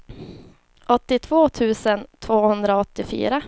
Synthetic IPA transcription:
ʔɔt̪ːɪt̪ʰv̥oːt̪ʰʉ̟ːsənt̪ʰvoːhɵnd̪ɾaɔt̪ːɪfy̰ːɾa

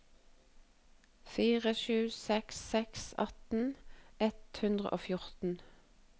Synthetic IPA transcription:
fiːʁəʃʉːsɛksɛksɑ̰t̪n̩ɛt̪hʉnd̪ʁə̰ʔoːfjʊʁt̪n̩

